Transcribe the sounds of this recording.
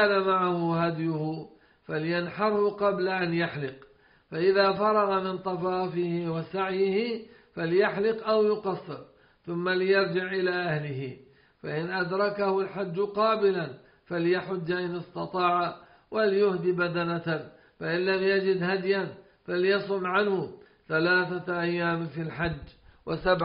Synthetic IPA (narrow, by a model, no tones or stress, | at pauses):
namaʕahʊɦad̪jʊhʊ | faljanħɑɾˤhʊqɑblaʔanjaħlɪq | faʔɪðaːfɑɾˤɑɣamɪnt̪ˤɑfɑːfɪhɪwasaʕjɪhɪfaljaħlɪqʔawjʊqɑsˤːɨɾ | θʊmːalɪjɑɾˤd͡ʒɪʕʔɪlaːʔahlɪhɪ | faʔɪnʔad̪ɾˤɑkahʊlħad͡ʒːʊqɑːbɪlan | faljaħʊd͡ʒːaʔɪnɪst̪ɑt̪ˤɑːʕa | walɪjʊhd̪ibad̪ana | faʔɪnlamjad͡ʒɪd̪had̪jan | faljɑsˤʊmːʕanhʊ | θalaːθaʔajːaːmfilħad͡ʒːwasabʕ